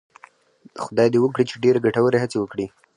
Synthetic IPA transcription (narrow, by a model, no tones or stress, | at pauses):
xʊd̪ɑjd̪ewək̬ɽit͡ʃeɖeɾeɡaʈawəɾeɦat͡sewəkɽi